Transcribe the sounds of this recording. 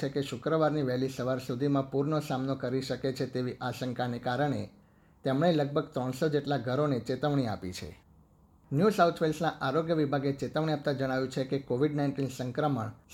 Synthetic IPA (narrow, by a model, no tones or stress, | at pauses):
ekeʃʊkɾəʋaɾniʋɛɦlisəʋaɾsud̪ʱimãpuɾɳosamnokəɾiʃəket͡ʃʰet̪eʋiʔaʃəŋkanekaɾəɳ̃e | t̪emɳeləɡ̚bʱəɡt̪ɾɔɳsod͡ʒeʈlaɡʱəɾonet͡ʃet̪əʋɳ̃ia̰pḭt͡ʃʰḛ | njusawt̪ʰʋelsnaʔaɾoɡjəʋibʱaɡet͡ʃet̪əʋɳ̃iap̚t̪ãd͡ʒəɽ̃aʋjũt͡ʃʰekekoʋiɖnaɪ̃nʈinsəŋkɾəməɳ